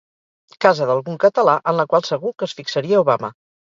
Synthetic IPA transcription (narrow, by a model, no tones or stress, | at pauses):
kazəðəlˠɣuŋkət̪əlaʔənləkwalˠsəɣukəsfiksəɾiəuβamə̰